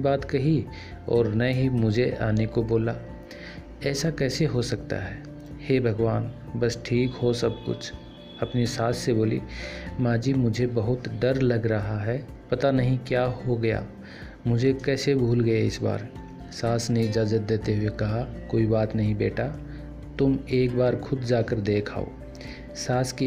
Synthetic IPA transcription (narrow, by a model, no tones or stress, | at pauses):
baːt̪kɐɦi | ɔ̰ːɾnaɦimʊd͡ʒʱeʔa̰ːnekoboːla | ɛːsakɛːseɦosɐkt̪a̰ɦɛː | heːbʱɐɡʋaːn | bɐsʈʰiːkɦosɐb̚kʊ̰t͡ʃʰ | ɐpnesaːsseboːlḭmaːd͡ʒiːmʊd͡ʒʱebɐɦʊt̪ɖ̪ɐɾlɐɡɾɐɦaɦɛ | pɐt̪anɐɦĩkjaːhoɡɐja̰ː | mʊd͡ʒʱekɛːsebʱuːlɡɐjaɪsba̰ːɾ | saːsneɪd͡ʒaːzət̪̚d̪eːt̪eɦuekɐɦakoːibaːt̪nɐɦĩbeːʈa | t̪ʊmeːkbaːɾkʰʊd̪d͡ʒaːkəɾd̪eːkʰa̰ːo̰ː | saːske